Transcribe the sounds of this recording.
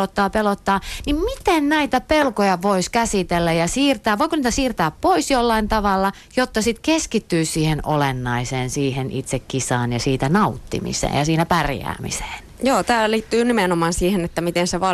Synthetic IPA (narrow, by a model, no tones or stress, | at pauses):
ot̪ːɑːpelot̪ːɑːnimmit̪ennæit̪æpelkojɑʋoiskæsit̪elːæjɑsiːrt̪æːʋʋoikoniːt̪æsiːrt̪æːppoisjolːɑint̪ɑʋɑlːɑ | jot̪ːɑsit̪keskit̪ːyːsiːheno̰lenːɑiseːnsiːhenʔit̪sekkisɑːnjɑsiːt̪ænɑut̪ːḭmḭsḛːjɑsiːnæpærjæ̰ːmḭse̥ːnjoːt̪æːlliːt̪ːyːnimenomɑːnsiːhenet̪ːæmit̪enseʋɑ